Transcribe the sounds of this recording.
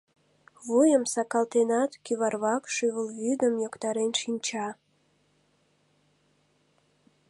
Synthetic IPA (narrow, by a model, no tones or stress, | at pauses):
βujəmsɑkɑlt̪enɑt̪kyβɑrβɑkʃyβəlβyd̪əmjokt̪ɑɾenʃinʲt͡ɕɑ